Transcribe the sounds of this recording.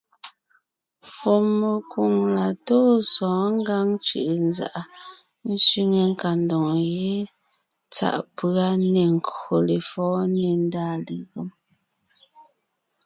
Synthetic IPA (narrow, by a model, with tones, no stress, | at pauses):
fo˨mːe˨kwu˨ŋla˨toː˦sɔ̃ː˨˦ŋ̩˦ɡa˦ŋt͡ʃɯ̰˨ʔnza̰˨ʔa˨n̩˦sɥi˦ŋe˨ŋ̩˦ka˨ndɔ˨ŋ˨je˦ | t͡sa̰˨ʔpɰa˦ne˨ŋ̩˨ko˨le˨fɔː˨˦ne˦˨n˦daː˦˨le˨ɣə˦m